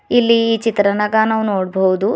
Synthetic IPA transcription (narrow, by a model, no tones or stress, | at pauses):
ilːiːt͡ʃit̪ɾɐnɐɡaːnɐʋnoːɽbowd̪u